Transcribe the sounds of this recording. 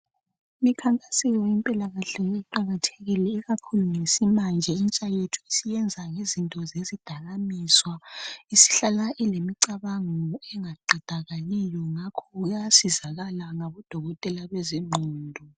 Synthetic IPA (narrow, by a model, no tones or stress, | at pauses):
mikʰaŋkʼasɛjɔimpʼilaɣaɬɛjeuǃaɣatʰeɣilɛːɣakʰuluŋesimand͡ʒʱɛint͡ʃʼajetʰu̥isijɛnd͡zʱaŋezintʼɔzezid̥ʱaɣamiswaisi̥ɬalaʔɛlemiǀaβaŋɔɛŋaǃʱɛd̥ʱaɣalijɔŋakʰɔɣjasizaɣalaŋaβɔd̥ʱɔɣɔtʼɛlaβɛziŋ͡ǃʱɔːndʱɔ